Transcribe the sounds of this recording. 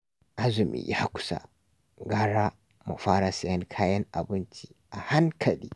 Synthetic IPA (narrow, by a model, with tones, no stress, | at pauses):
ʔa˦zʊ˨mḭ˨ja˦kʷʊ̥˦sa̰˨ | ɡaː˦ɾa˦ | mɐ˨faː˦ɾa˦sɛ˨jɐ˦ŋkʰaː˦jɐ˦ŋʔa̰˨bɪ˦nt͡ʃi˦ʔa˨ha˦ŋkʰɐ˨li˦